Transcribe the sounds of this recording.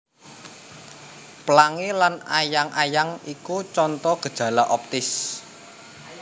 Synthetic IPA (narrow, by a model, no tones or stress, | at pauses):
pəlaŋelanajaŋʔajaŋikut͡ʃɔnt̪ɔɡ̥ə̥ʒ̥a̤laʔɔp̚t̪ɪs